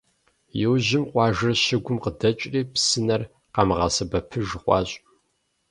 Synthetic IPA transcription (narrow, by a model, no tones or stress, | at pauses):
jɛwʑɪmqʷʼɑːʒɨrɕɪɡʷʊmqədɐt͡ʃʼriːpsɨnɐr | qɑmʁɐsɐbɐpʰɨʒχʷɑ̰ːɕʼ